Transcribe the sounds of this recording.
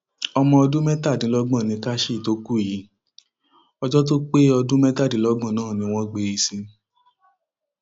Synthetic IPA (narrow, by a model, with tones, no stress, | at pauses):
ɔ˧mɔ̃˧ɔ˧dũ˦mɛ˦ta˦˨dĩ˨˦lɔ˦ɡ͡bɔ̃˦˨nĩ˧ka˦ʃi˦˨to˦ku˦˨ji˨˦ | ɔ˧d͡ʒɔ˦t̬o˦k͡pe˦ɔ˧dũ˦mɛ̃˦ta˦˨dĩ˨˦lɔ˦ɡ͡bɔ̃˦˨nãː˦˨nĩ˧w̃ɔ̃˦ɡ͡be˧i˧sĩ˧